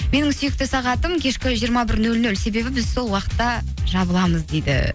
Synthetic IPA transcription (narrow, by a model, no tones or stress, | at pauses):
me̞nɪŋsʏjɪkt̪ɪsɑʁɑt̪əmkʲʰe̞ʃkʲɪʒijəɾmɑbɪɾnɵlnɵlse̞be̞bɪbɪzso̞lˠwɑqə̥t̪ːɑ | ʒɑbəlˠɑməzd̪e̞jd̪ɪ̰